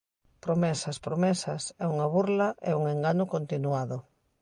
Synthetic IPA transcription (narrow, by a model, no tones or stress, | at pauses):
pɾomɛsɐspɾomɛsɐsɛuŋaβuɾlaʔɛ̰uŋeŋɡaɲokont̪inuaðʊ